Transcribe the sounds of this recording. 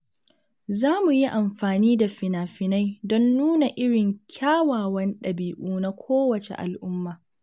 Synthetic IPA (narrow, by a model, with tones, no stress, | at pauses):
zaː˦mu˨ji˦ʔa˨mɸaː˨niː˦da˨ɸɪ˨naː˨ɸɪ˨na˦jdɔ˦nːuː˦na˨ʔɪ˦ɽɪ˨ŋkʲʰaː˦waː˨wɐ˦nɗɐ˨biː˨ʔuː˦na˦kʷʰoː˦wɐ˨t͡ʃḛ˨ʔa̰˨lʔʊ˦mːaː˨